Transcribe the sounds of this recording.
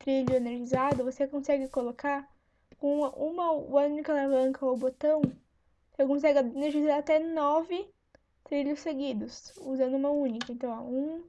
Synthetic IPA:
t̪ɾiʎʊeneɾʒizad̪ʊvosekõsɛɡɪkolokaɾ | kõũmɐʔũmɐmɐũnikɐlavɐ̃ŋkɐowbot̪ɐ̃w̃ | osekõsɛɡɪeneɾʒizaɾat̪ɛnɔvɪ | t̪ɾiʎʊseɡid̪ʊsuzɐ̃nd̪ʊũmɐũnikɐẽnt̪ɐ̃w̃a̰ũ

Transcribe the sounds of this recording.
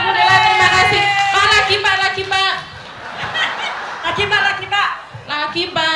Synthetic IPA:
lakialakialakimbalakimba | lakimbalakimba | lakimba

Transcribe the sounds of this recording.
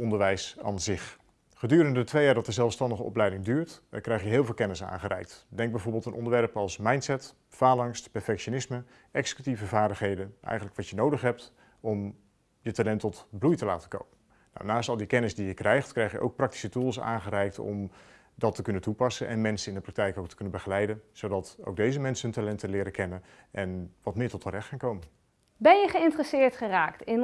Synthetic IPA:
ɔndəɹʋɛjsa̰ːnzɪχ | χədyːɾəndəətʋejaːɹdɑtəzɛlˠfstɑndəχəʔɔ̰plɛjdɪŋdyːɹtkrɛjχjəɦɪːlˠvɪlˠkɛnɪsa̰ːnχərɛ̰jk̚tdɛŋɡ̚bɛjvoːɹbɪlˠtənʔɔndəɹʋɛɹpɑlˠsmɑjntsɛt | faːlɑŋstpɛɹfɛkʃonɪsmə | ʔɛksə̥kytivəvaːɹdəχɦejdənʔɛ̰jχənləkʋɑtjənowdəχɦɛp̚t | ɔm | jətalɛntɔtblujtəlaːtəko̰wpən | na̰wnaːstɑlˠdikɛnɪsdijəkrɛjχtkrɛjχjəʔo̰wk̚prɑk̚ti̥sətulˠsa̰ːnχərɛjk̚tɔ̰m | dɑtəkɵnəntupɑsənʔɛ̰nmɛnsənɪndəprɑk̚tɛjkowktə̥kɵnənbəχəlɛjdənz̥owdɑto̰wɡ̚dejzəmɛnsənɦəntalɛntəlɪːɾəkɛnən | ʔɛnʋɑtmɪːɹtɔtʰːərɛχtχaːŋkowmən | bɛnjəχəɪntrəsɪːɹtχəraːktɪn

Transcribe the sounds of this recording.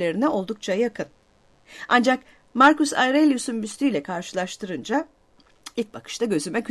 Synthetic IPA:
e̞ɾinɛo̞lˠd̪uk̚t͡ʃʰajakʰɯn | ʔand͡ʒak | maɾkusa̰jɾelʲjusunbyst̪ʰyjlʲɛkʰaɾʃɯlˠaʃt̪ʰɯɾɯnd͡ʒa | ilt̪̚bakʰɯ̥ʃt̪ʰaɟø̞zymɛc

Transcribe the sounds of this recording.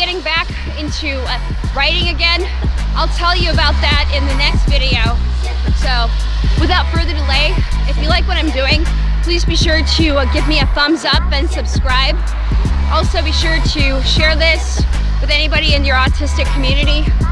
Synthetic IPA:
ɡɛɾɪ̃ŋbæk | ɪ̃ntʰʉ | ɹaɪɾɪ̃ŋɨɡɛ̃n | ʔaɪlˠtʰɛlˠjɨəbaʊt̪̚ðɨɾɪ̃nðɨnɛkstvɪɾioʊ | soʊ | wɨθaʊtfɜ˞ðə˞dəleɪ | ɨfjɨlaɪkwʌɾãɪ̃mdʉɪ̃ŋ | pʰl̥izbiʃʊɹɾɨɡɪvmiɨθʌ̃mzʌpɨ̃nsɨb̥skɹaɪb | ʔɔlˠsoʊbiʃʊɹɾɨ | ʃɛɹðɪs | wɨðɛnibɑɾiɨ̃njə˞ɑtʰɪstɨkʰmjʉnɨɾi

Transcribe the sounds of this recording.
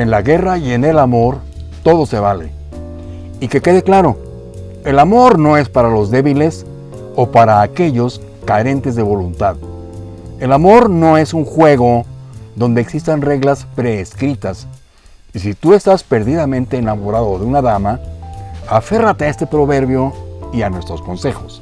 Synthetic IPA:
enlaɣe̞raie̞ne̞lamo̞ɾ | t̪o̞ðo̞se̞βale̞̰ | ike̞ke̞ðe̞klaɾo̞ | e̞lamo̞ɾno̞e̞spaɾalo̞zðe̞βile̞s | o̞paɾaːke̞ʝo̞s | kaɾe̞nt̪e̞zðe̞βo̞lunt̪að | e̞lamo̞ɾno̞e̞suŋxwe̞ɣo̞ðo̞nd̪e̞ːksist̪anreɣlaspɾeːskɾit̪as | isit̪ue̞st̪aspe̞ɾðiðamẽ̞nt̪e̞ːnamo̞ɾaðo̞ðeunaðama | afe̞rat̪e̞ae̞st̪e̞pɾo̞βe̞ɾβjo̞ianwe̞st̪ɾo̞sko̞nse̞xo̞s

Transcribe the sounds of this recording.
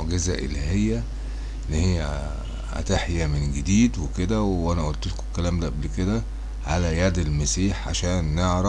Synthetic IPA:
ʕɡezæ̰ʔḛlæɦejːæ | lːihejːæ | hæ̰t̪eħjæmenɡed̪iːd̪weked̪æweʔænæʔolt̪elkokːælæːmd̪æʔæblked̪æ | ʕalæjæd̪elmæsiːħʕa̰ʃæːnːeʕɾɑ

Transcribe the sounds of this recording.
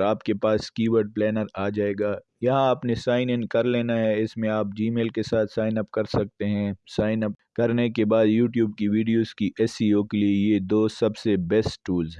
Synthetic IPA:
ɾaːpkepaːskiːʋəɾɖ̚plɛːnəɾaːd͡ʒaːeːɡaː | jɐɦãaːpnesaːɪnɪ̃nkɐɾleːnaɦɛɪsmẽaːp̚d͡ʒiːmeːlkesaːt̪ʰsaːɪnɐpkɐɾsɐk̚t̪eɦɛ̃saːɪnəpkɐɾnekebaːd̪juːʈjuːb̚kiʋiːɖijoːz̥kiʔɛːsioːkeliejed̪oːsɐbsebɛstʈuːlzɦɛ

